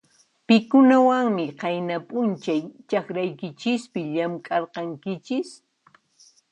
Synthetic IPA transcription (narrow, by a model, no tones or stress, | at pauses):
pɪkʊnawaŋmɪqɑjnapʼʊnt͡ʃajt͡ʃɑkɾajkɪt͡ʃɪspɪʎamkʼɑɾqɑŋkɪt͡ʃɪs